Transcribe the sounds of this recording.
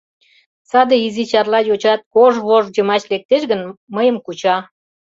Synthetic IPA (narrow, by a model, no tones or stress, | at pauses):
sɑd̪eizit͡ɕɑrlɑjot͡ɕɑt̪̚koʒβoʒd͡ʑəmɑt͡ɕlek̚t̪eʃɡənməjəmkut͡ɕɑ